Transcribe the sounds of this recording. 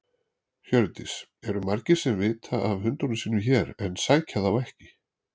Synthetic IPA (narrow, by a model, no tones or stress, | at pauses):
çœɾt̪ɪsɛɾʏmaɾcɪ̥sɛmvɪːt̪ʰaʔavhʏnt̪ɔnʏsiːnʏçɛɾɛnsaːjcʰaðavɛhcɪ